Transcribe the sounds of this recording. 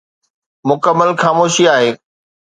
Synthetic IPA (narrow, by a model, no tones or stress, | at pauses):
mʊkəmːəlxaːmoːʃiaːɦeː